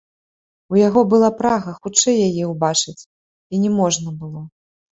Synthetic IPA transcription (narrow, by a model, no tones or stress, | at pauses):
ujaɣɔbɨlˠapɾaɣɐxut͡ʂɛjːajɛwbat͡ʂɨt͡sʲ | inʲɛmɔʐnɐbɨlˠɔ